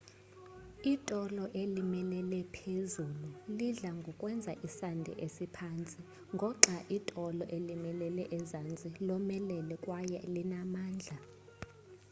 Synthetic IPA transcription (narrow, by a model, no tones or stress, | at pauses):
itʼɔlɔʔelimɛlɛlɛpʰezululiɮaŋɡʱɔkʼwɛnd͡zʱaʔisandʱɛ̰ʔesipʰant͡sʼi | ŋɡʱɔǁaʔitʼɔlɔʔelimɛlɛlɛʔɛzant͡sʼilɔmɛlɛlɛkʼwajɛlinamaːnd͡ɮʱa